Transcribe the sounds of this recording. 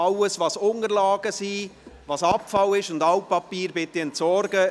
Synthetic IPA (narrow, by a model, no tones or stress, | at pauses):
ɑləsʋɑːsʊnəɾlɑːɡ̥əsiːvɑːsɑpfɑlɪʃʊndɑwpɑpiːɾbɪt̪iɛntsɔɾɡə